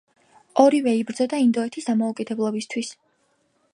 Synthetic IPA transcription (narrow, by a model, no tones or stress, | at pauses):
ɔɾivɛibɾd̪zɔd̪aind̪ɔɛt̪ʰisd̪amɔukʼid̪ɛblˠɔbist̪ʰwis